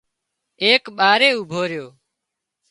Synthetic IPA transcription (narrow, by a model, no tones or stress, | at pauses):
eːkɓaːɾeːuːbʱoːɾjoː